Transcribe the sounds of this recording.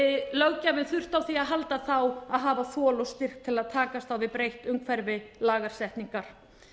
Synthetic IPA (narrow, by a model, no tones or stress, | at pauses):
ɪlœwcavɪnθʏr̥t̪awθiaðɦalt̪aθawaðɦaːvaθɔːlɔst̪ɪr̥kt̪ʰːɪlaðt̪ʰaːkast̪awvɪðpɾejht̪ʏŋkʰvɛɾvɪlaːɣaɾ̥sɛht̪niŋkaɾ̥